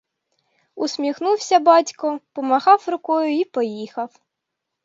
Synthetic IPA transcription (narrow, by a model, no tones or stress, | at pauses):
usʲmʲixnuwsʲɐbɑtʲkɔpɔmɐɣɑwrʊkɔjʊipɔjixɐw